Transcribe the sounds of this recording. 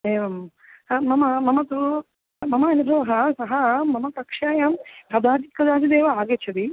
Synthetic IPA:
eːʋɐm | mɐmɐmɐmɐt̪u | mɐmɐɐnibʱɐʋɐɦɐsɐɦɐmɐmɐkɐkʂaːjɐmkɐd̪aːt̪ikɐd̪aːid̪eːʋɐaːɡet͡ʃʰɐd̪i

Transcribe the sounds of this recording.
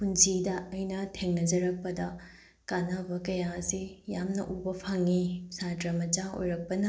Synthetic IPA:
pund͡ʒidɐɐjnɐtʰeŋnɐd͡ʒɐɾɐk̚pɐdɐ | kanabɐkɐjasijamnɐ̰ʔubɐpʰaŋisatɾɐmɐt͡ʃao̰jɾɐk̚pɐnɐ

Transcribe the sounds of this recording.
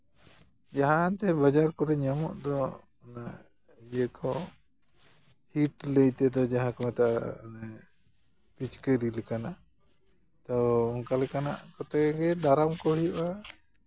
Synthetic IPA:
d͡ʒaɦat̪ɛbad͡ʒaɾkɔɾɛɲamɔʔd̪ɔː | na | jəkʰɔ | hiʈləjt̪ɛd̪ɔd͡ʒaɦãkɔmɛt̪aʔa̰nɛ | pit͡ʃkəɾilɛkanaʔ | t̪ɔɔŋkalɛkana̰ʔkɔt̪ɛɡɛd̪aɾamkɔɦijuʔa

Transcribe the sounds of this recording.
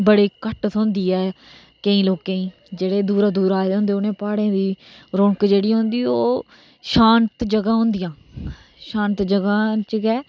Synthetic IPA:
bəɽiːkəʈt̪ʰõːnd̪iːɛː | kəĩːloːkẽːĩː | d͡ʒeːɽeːd̪uːɾaːd̪uːɾaːd̪eɦõːnd̪eːʊnẽːpaːɽẽːd̪iː | ɾõɳkd͡ʒeːɽiːɦõnd̪iːoː | ʃaːnt̪d͡ʒəɡãːɦõnd̪ɪjãː | ʃãːnt̪d͡ʒəɡãːt͡ʃəɡɛː

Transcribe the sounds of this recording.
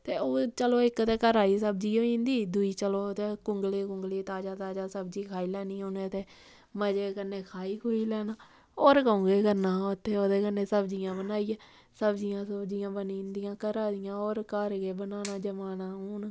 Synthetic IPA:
t̪eːoːt͡ʃəloːɪkt̪eːkəɾaːiːsəb̚d͡ʒiːoːĩːnd̪iːd̪ʊiːt͡ʃəloːt̪eːkʊŋɡleːkʊŋɡleːt̪aːd͡ʒaːt̪aːd͡ʒaːsəbd͡ʒiːkʰaːiːlɛːnĩːoːnẽːt̪eː | məd͡ʒeːkənːeːkʰaːiːkʰoːiːlɛːnaː | oːɾkəõːɡeːkəɾnaːʊt̪ʰːeːoːd̪eːkənːeːsəbd͡ʒijãːbənaːiːãː | səbd͡ʒijãːsəbd͡ʒijãːbəniːnd̪ɪjãːkəɾaːd̪ɪjãːoːɾkəɾɡeːbənaːnaːd͡ʒəmaːnaːɦʊːn

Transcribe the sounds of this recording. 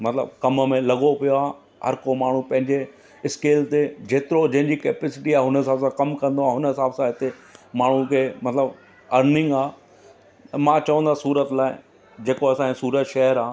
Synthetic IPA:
mɐt̪ɪlə̰bkɐmmẽlɐɡopijoaː | ɦɐ̰ɾkomaːɳ̤ũpɐ̃ɦɪ̃ɲd͡ʑe | ɪskeːlt̪ed͡ʑeːt̪ɪɾod͡ʑɐ̃ɦɪ̃ɲd͡ʑikɛːpesɪʈiaːɦʊnəɦɪsaːbsãkɐmkɐ̃nd̪oaːɦʊnəɦɪsaːbsãɦɪt̪emaːɳ̤ũkʰeːmɐt̪ləb | ɐɾnɪ̃ŋɡaː | mãːt͡ɕɐʋə̃nd̪asuːɾət̪laːɪ | d͡ʑeːkoɐsãisuːɾət̪ʃɛɦəɾaː

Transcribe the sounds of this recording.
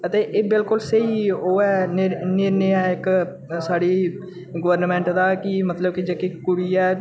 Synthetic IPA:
ət̪eːʔeːbɪlkʊlsəɦiːoːɛːnnɪɾnɪaːɪk | saːɽiː | ɡəʋəɾnmɛ̃ːɳʈd̪aːkɪmət̪ləb̚kid͡ʒekikkːʊɽiːɛː

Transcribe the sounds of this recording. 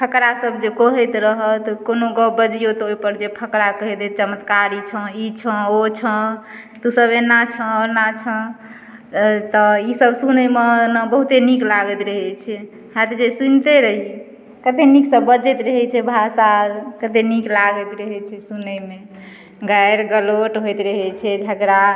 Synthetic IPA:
pʰəkɾasəbd͡ʒekɔɦət̪ɾəɦət̪konoɡɔbəd͡ʒijot̪oipəɾd͡ʒepʰəkɾakəɦɛd̪et͡ʃəmət̪kaɾit͡ʃʰə̃it͡ʃʰə̃ot͡ʃʰə̃ | t̪usəbenat͡ʃʰə̃ɔɾnat͡ʃʰə̃ | t̪ɔisəbsunəjmenəbəɦut̪eniklaɡət̪ɾəɦɛt͡ʃʰɛ | hat̪d͡ʒesunt̪eɾəɦi | kət̪eniksəbəd͡ʒət̪ɾəɦɛt͡ʃʰɛbʱasaɾkət̪eniklaɡət̪ɾəɦɛt͡ʃʰɛsunəjme | ɡajɾɡəloʈɦojt̪ɾəɦɛt͡ʃʰɛd͡ʒʱəɡɾa

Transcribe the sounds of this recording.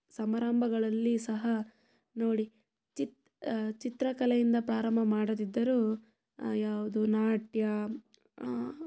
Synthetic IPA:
sɐmɐɾaːmbʱɐɡɐɭɐlːisɐɦɐ | noːɽi | t͡ʃit̪ | t͡ʃit̪ɾɐkɐlɐjind̪ɐpɾaːɾɐmbʱɐmaːɽɐd̪id̪ːɐɾuː | jaːʋud̪unaːʈjɐ

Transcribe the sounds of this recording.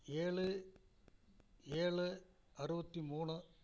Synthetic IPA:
eːɭɯ | eːɭɯ | ɐrɯbɐt̪ːimuːɳɯ

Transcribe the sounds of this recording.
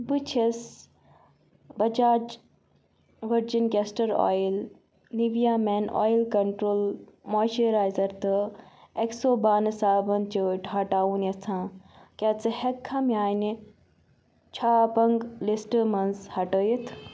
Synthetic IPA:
bɨt͡ʃʰes | bɐd͡ʒaːd͡ʒ | ʋɐɾd͡ʒinɡesʈɐɾo̰ːjl | niʋijaːmeːno̰ːjlkɐɳʈɾoːlmoːʃəɾaːjzɐɾt̪ɨeksoːbaːnɨsaːbɐnt͡ʃəʈɦɐʈaːunɐt͡sʰãː | ket͡sɨhekʰːamjaːni | t͡ʃʰaːpɐŋɡlisʈəmɐnshɐʈəːjit̪ʰ

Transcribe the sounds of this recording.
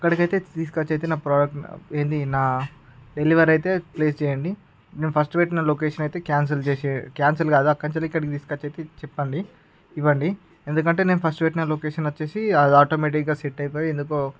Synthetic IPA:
ɐkːɐɽikɐjt̪e̞ːt̪iːs̬kɐt͡ʃːɐjt̪eːnaːpɾaːɖɐk̚ʈe̞ːnd̪inaː | ɖe̞liʋɐɾɐjt̪e̞ːpleːst͡ʃɛːjɐɳɖi | neːnupʰɐsʈʋeːʈnɐːloːkeːʂɐnɐjt̪e̞ːkjaːns̬ɐlt͡ʃeːsekjaːnsɐlɡaːd̪uɐkːɐɲt͡ʃɐliikːɐɽikit̪iːskɐt͡ʃːɐjt̪e̞ːt͡ʃɛpːɐɳɖi | iʋːɐɳɖi | end̪ukɐɳʈe̞ːneːnupʰɐsʈʋeːʈnɐloːkeːʂɐnʋɐt͡ʃːe̞ːsiɐd̪aːʈoːmeːʈ̬ikɡaːseʈːɐjp̬oːjiend̪uk̬oː

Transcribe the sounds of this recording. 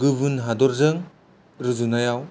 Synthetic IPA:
ɡɯbɯnɦadɔɾzɯŋ | ɾɯzunajaw

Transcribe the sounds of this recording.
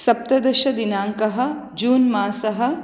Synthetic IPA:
sɐp̚t̪ɐd̪ɐʃɐd̪inaːŋkɐɦɐ̆ | d͡ʒuːnmaːsɐɦɐ̆

